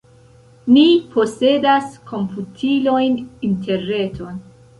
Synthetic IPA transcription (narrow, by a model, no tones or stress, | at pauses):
nipʰo̞se̞daskʰo̞mpʰutʰilo̞jnintʰe̞ɾne̞tʰo̞n